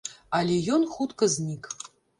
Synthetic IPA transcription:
alʲejonχut̪kɐznʲikʼ

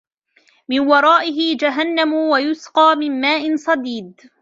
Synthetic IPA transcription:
mɪnwɑɾˤɑːʔɪɦɪd͡ʒaɦanːamʊwajʊsqɑːmɪnmaːʔɪnsˤɑd̪iːd̪

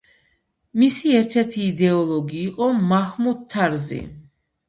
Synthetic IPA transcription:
misiɛɾt̪ʰɛɾt̪ʰiːd̪ɛɔlˠɔɡiːqʼɔmaχmut̪t̪ʰːaɾzḭ

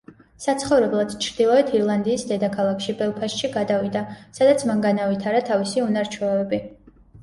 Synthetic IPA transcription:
sat̪sʰχɔvɾɛblˠad̪̥t͡ʃʰɾd̪ilˠɔɛt̪ʰiɾlˠand̪iːsd̪ɛd̪akʰalˠakʰʃibɛlˠpʰaʃʃiɡad̪avid̪asad̪at̪sʰmaŋɡanavit̪ʰaɾat̪ʰavisiunaɾt͡ʃʰuɛɛbi

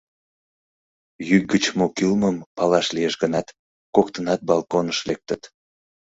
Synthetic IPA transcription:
jyk̚ɡət͡ɕmokylməmpɑlɑʃlijeʃɡənɑt̪ | kokt̪ənɑt̪̚bɑlˠkonəʃlek̚t̪ət̪

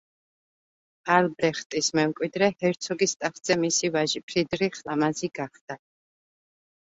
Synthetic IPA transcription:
albɾɛχt̪ʼismɛmkʼwid̪ɾɛhɛɾt̪sʰɔɡist̪ʼaχd̪z̥ɛmisivaʒipʰɾid̪ɾiχlamaziɡaχd̪̥a

